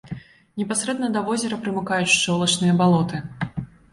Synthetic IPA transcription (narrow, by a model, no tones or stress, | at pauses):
nʲɛpasɾɛd̪nɐd̪ɐvɔzʲɛɾɐpɾɨmɨkajut͡sʲʂt͡ʂɔlˠɐt͡ʂnɨjɐbalˠɔt̪ɨ